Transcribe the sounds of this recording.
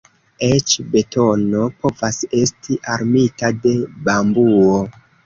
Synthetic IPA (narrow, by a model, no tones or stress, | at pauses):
et͡ʃbe̞to̞no̞po̞vase̞stʰiʔaɾmitade̞bambuo